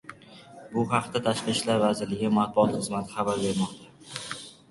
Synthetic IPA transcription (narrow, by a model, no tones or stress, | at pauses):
bʊhɑqt̪at̪ʰaʃqɨʃlaɾvazɪɾlɪɡʲɪmat̪̚bʊɒt̪χɨzmat̪ʰɪ̥χɑbaɾbe̞ɾmɒqt̪ʰa